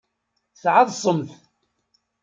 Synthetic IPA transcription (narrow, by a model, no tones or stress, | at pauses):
θʕaðˤsˤəmθ